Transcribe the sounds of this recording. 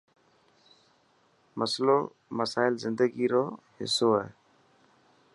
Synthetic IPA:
məslo | məsaːɪlzɪ̃nd̪əɡiɾɔː | hɪ̰soɛː

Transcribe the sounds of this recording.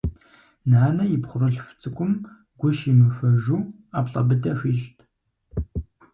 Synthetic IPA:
naːnɐjɪpχʷʊrɨɬft͡sʼɨkʷʼʊm | ɡʷʊʃimɨfɐʒuː | aːpɬʼɐ̰bɨdɐɕʷiːʒtʰ

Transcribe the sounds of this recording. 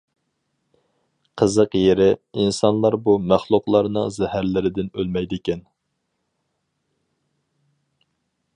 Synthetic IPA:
qʰəzəqjeɾɪinsɑnlˠɑɾbumæχlˠʊqlˠɑɾnɨŋzɛhæɾlɪɾɪd̪ɪnølmɛjd̪ɪkʲɛn

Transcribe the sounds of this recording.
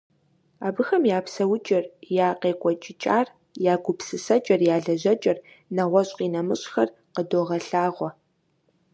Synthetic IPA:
a̰ːbɨxɐmjaːpsɐwʊt͡ʃʼɐrjaːqeːkʷʼɔt͡ʃʼɪt͡ʃʼaːr | jaːɡʷʊpsɨsɐt͡ʃʼɐrjaːɮɐʑɐt͡ʃʼɐr | nɐʁʷɔɕʼqiːnɐmɨɕʼxɐr | qədoːʁɐɬaːʁʷɔ

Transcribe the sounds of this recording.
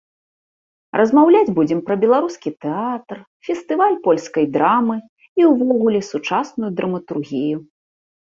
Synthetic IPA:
rʔɐzmawlʲad͡zʲbud͡zʲɛmpɾɐbʲɛlˠaɾuskʲit̪ɛat̪r | fʲɛst̪ɨvalʲpɔlʲskɐjd̪ɾamɨ | iwvɔɣulʲɛsut͡ʂasnujud̪ɾɐmɐt̪urɣʲiju

